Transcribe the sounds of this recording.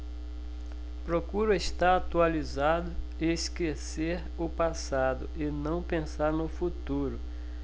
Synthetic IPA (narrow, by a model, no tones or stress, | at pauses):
pɾokuɾʊest̪aɾat̪ualizad̪ʊ | ɪskeseɾ | ʊpasad̪ʊʔɪnɐ̃w̃pẽsaɾnʊfut̪uɾʊ